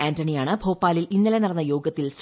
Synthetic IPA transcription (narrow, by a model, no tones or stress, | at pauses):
aːntɐɳijaːɳɨbʱo̞ːpːaːlilinːɐlenɐrɐnːɐjo̞ːɡɐt̪ːils